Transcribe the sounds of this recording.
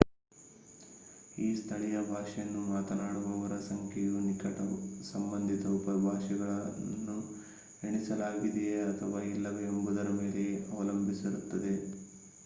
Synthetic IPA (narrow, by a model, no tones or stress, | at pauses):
iːst̪ʰɐɭijɐbʱaːʂɐjɐnːumaːt̪ɐnaːɽuʋɐʋɐɾɐsɐŋkʰɛjunikɐʈɐsɐmbɐnd̪ʱit̪ɐupɐbʱaːʂiɡɐɭɐnːu | eɳisɐlaːɡid̪eeɐt̪ʰɐʋailːɐʋeːmbud̪ɐɾɐme̞ːle̞ɐʋɐlɐmbʱisiɾut̪ːɐd̪e̞